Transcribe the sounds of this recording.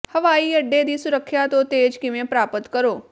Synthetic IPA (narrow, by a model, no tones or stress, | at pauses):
hɐʋaːiːɐɖːed̪iːsʊɾəkʰːjat̪ot̪eːd͡ʒkɪmẽpɾaːpət̪kɐɾoː